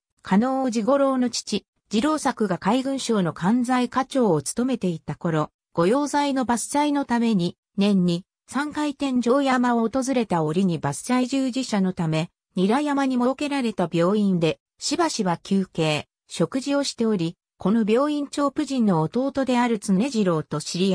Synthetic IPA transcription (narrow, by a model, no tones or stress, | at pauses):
kʰano̞ːd͡ʑiɡo̞ɾo̞ːno̞t͡ɕi̥t͡ɕi | d͡ʑiɾo̞ːsakɯ̟ɡakaiɡɯ̟̃ɰ̃ɕo̞ːno̞kʰãnd͡zaikat͡ɕo̞ːot͡sɨ̥t̪o̞me̞t̪e̞it̪ako̞ɾo̞ | ɡ̥o̞jo̞ːzaino̞basɨ̥saino̞t̪ame̞ɲ̟i | nẽ̞ɲ̟ːi | sãŋkait̪ẽ̞ɲ̟d͡ʑo̞ːjamaoːt̪o̞zɨɾe̞t̪ao̞ɾʲiɲ̟ibasɨ̥t͡ɕaiʑɨːʑiɕano̞t̪ame̞ | ɲiɾajamaɲ̟imo̞ke̞ɾaɾe̞t̪abʲo̞ːĩnd̪e̞ | ɕibaɕiβakʲʰɨːke̞ː | ɕo̞kɯ̟ʑio̞ɕi̥t̪e̞o̞ɾʲi | ko̞no̞bʲo̞ːĩɲ̟t͡ɕo̞ːpɯ̟ʑĩnːo̞ːt̪o̞ːt̪o̞d̪e̞aɾɯ̟t͡sɨnne̞ʑiɾo̞ːt̪o̞ɕiɾʲia